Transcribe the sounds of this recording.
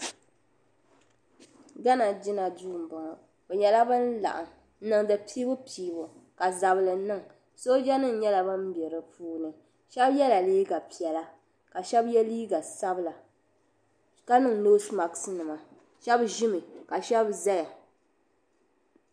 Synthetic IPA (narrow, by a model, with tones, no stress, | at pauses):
ɡa˦na˨d͡ʒɪ˦na˨duː˦˨m̩˨bɔ˨ŋ˨ | bɛ˨ɲɛ˨la˦bɨ˦n̩˦la̰˨ʔa˨˦ | nɨ˨ŋdɨ˨piː˦bʊ˦piː˨bʊ˨ka˨za˨blɨ˨˦nɨ˦˨ŋ | so˦d͡ʒɛ˦nɨ˦n̩˦ɲɛ˦la˨bɨ˦m˦bjɛ˨ɾɨ˨puː˦nɨ˨ | ʃɛ˦bjɛ˦la˨liː˦ɡa˨pi˨ɛ˨la˦ | ka˨ʃɛ˦bjɛ˦liː˦ɡa˨sa˦bɨ˦la˨ | ka˦nɨ˨ŋno˦sma˨ksɨ˦nɨ˨ma˨ | ʃɛ˦bʒɪ˦mɨ˨ka˨ʃɛ˦bza˦ja˨